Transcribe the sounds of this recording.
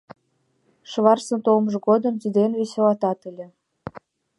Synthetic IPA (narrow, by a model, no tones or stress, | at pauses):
ʃβɑrsə̆nt̪olməʒɤ̆ɡod̪ə̆mt̪id̪enβeselɑt̪ɑt̪ə̆lʲĕ